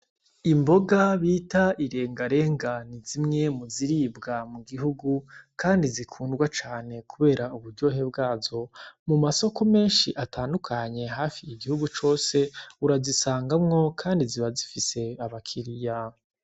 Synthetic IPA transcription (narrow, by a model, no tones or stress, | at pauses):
imbo̞ɡaβiːtaiɾe̞ːŋɡaɾe̞ːŋɡanizimŋe̞muziɾiːbɡamuɡiɦuɡukaːndizikʰuːndɡwat͡ʃaːne̞kuβe̞ːɾauβuɾɟo̞ɦe̞b̚ɡaːzo̞mumaso̞ko̞me̞ːnʃiʔataːndukʰaɲe̞ɦaːfiːɡihuɡut͡ʃo̞ːse̞uɾazisaːŋɡamŋo̞kʰaːndiziβazifise̞aβakʰiɾija